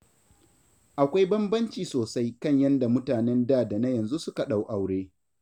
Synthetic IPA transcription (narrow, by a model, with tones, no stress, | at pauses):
ʔa˨kʷa˦jbɐ˦mbɐ˦nt͡ʃiː˨soː˨sa˦jkɐ˦˨ɲjɐ˦nda˨mʊ˦taː˨nɛ˦ndaː˦˨da˨na˦jɐ˨nzu˦sʊ˦ka˨ɗa˨wʔa˨wɽeː˦